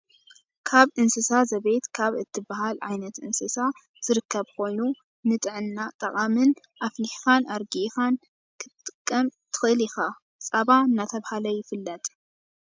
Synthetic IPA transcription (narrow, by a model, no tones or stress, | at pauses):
kʰaβʔɨnsɨsazɐβejt̪kʰaβɨt̪ʰːɨbahalʕajnɐt̪ʔɨnsɨsa | z̥ɨɾɨkʰːɐβkʰo̞jnu | nɨt̪ʼɨʕɨnːat̪ʼɐqʼamɨn | ʔafliħfanaɾɡixan | kʰɨt̪ʼːɨkʼːɐmt̪ʰɨ̥xɨlixa | t͡sʼɐβaɨnːat̪ʰɐβhalɐjɪfɨlːɐt̪ʼ